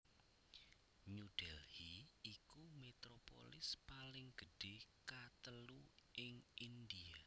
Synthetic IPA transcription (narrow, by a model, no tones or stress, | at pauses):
ɲud̥ɛlhiikumet̪ɾopo̰lɪspalɪŋɡ̥ə̤ɖ̥ekat̪əluʔɪŋʔind̪ia